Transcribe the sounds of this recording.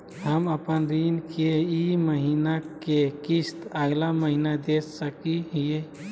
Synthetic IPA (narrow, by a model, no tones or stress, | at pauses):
həməpənɾinkʰeiməɦinakekist̪əɡlaməɦinad̪essəkiɦije